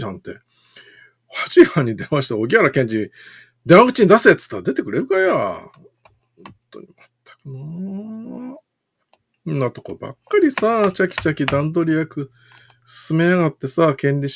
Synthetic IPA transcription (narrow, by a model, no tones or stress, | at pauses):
ãnt̪e̞̰ | hat͡ɕihãɲ̟ːid̪e̞mãɕi̥t̪ao̞ɡʲiaɾakẽ̞ɲd͡ʑi | d̪ẽaɡɯ̟t͡ɕiɲid̪aset͡sɨ̥t̪ːaɾad̪e̞t̪ekɯ̟ɾe̞ɾɯ̟kaja | hhhõnt̪o̞̰ɲ̟imat̪ʰːḁkɯna | nːat̪o̞koba̰kːaɾʲisat͡ɕakʲi̥t͡ɕakʲid̪ãnd̪o̞ɾʲiakɯ̟ | sɨ̥sɨmenaɣat̪ːe̞sakẽ̞ɲʲɾʲi